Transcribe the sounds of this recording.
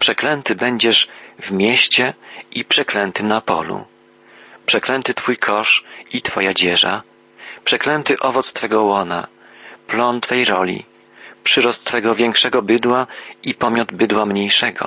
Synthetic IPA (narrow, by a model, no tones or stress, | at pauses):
pʂɛklɛnt̪ɘbɛɲd͡ʑɛʂvmʲjɛɕt͡ɕɛipʂɛklɛnt̪ɘnapɔ̰lṵ | pʂɛklɛnt̪ɘt̪fujkʰɔʂit̪fɔjad͡ʑɛʐa̰ | pʂɛklɛnt̪ɘʔɔvɔt̪st̪fɛɡɔwɔna̰ | plɔnt̪fɛjɾɔlʲḭ | pʂɘɾɔst̪ːfɛɡɔvʲjɛŋkʂɛɡɔbɘd̪waipɔmʲjɔd̪bɘd̪wamɲejʂɛɡɔ̰